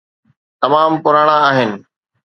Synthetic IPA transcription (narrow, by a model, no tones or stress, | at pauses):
t̪ɐmaːmpʊɾaːɽ̃ãaːɦɪnɪ̆